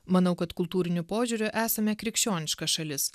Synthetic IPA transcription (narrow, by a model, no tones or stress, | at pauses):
mɐnɐʊkɐt̪kʊlˠt̪uːɾʲɪnʲʊpoːʒʲuɾʲʊʔæːsɐmʲɛkɾʲɪkʃʲt͡ʃʲoːnʲɪʃkɐsʃɐlʲɪs